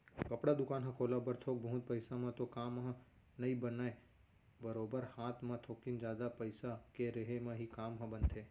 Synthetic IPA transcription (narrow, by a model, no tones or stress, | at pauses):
kəpɽad̪ʊkaːnɦə̃koːlabəɾt̪ʰok̚bəɦʊ̃t̪̚pəɪsãmãt̪okaːmɦə̃ | nɐĩbənaːe | bəɾoːbəɾhaːt̪ʰmãt̪ʰoːkind͡ʒjaːd̪apəɪsakeɾeɦemãɦikaːmɦə̃bənt̪ʰeː